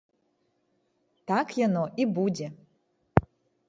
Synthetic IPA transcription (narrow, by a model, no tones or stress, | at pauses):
tʰakʰjanoʔibudʲe